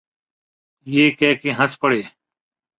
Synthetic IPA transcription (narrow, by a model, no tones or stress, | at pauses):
jeːkɛːkeɦəspəɽeː